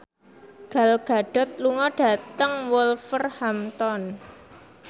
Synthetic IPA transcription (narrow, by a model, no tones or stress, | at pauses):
ɡ̥a̤lɡ̥a̤ɖ̥ɔ̤t̪̚luŋɔɖ̥ä̤t̪əŋwʊlfərhamt̪ɔn